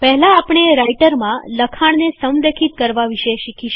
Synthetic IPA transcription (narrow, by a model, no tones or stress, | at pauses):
pɛɦlaːpɽ̃eɾaiʈəɾmãləkʰaɳ̃nesəmd̪əkʰit̪̚kəɾʋaʋiʃeʃikʰiʃ